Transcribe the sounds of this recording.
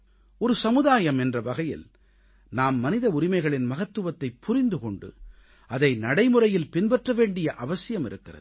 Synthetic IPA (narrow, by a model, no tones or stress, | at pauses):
ɔɾɯsɐmɯðaːjɐmɛndrɐʋɐɣɐjɪ̰l | naːmːɐnɪðɐʊɾɪmɐɪɣɐɭɪnmɐɣɐt̪ːɯʋɐt̪ːɐɪpːʊrɪnd̪ɯkɔɳɖɯ̰ | ɐðɐɪnɐɽɐɪmɯrɐjɪlpɪnbɐʈrɐʋeːɳɖɪjɐʔɐʋɐsɪjɐmɪɾɯkːɪrɐ̰ð